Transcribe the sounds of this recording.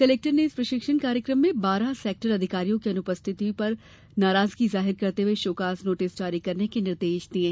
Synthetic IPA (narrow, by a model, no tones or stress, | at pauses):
seleːk̚ʈəɾneɪspɾɐʃɪkʃənkaːɾjəkɾəmːẽbaːɾasɛːk̚ʈəɾɐd̪ʱɪkaːɾijõkeɐnʊpəst̪ʰɪt̪ipɐɾ | naːɾaːzkizaːɦɪɾkɐɾt̪eɦeʃoːkaːsnoːʈɪsd͡ʒaːɾikɐɾnekenɪɾd̪eːʃd̪iẽː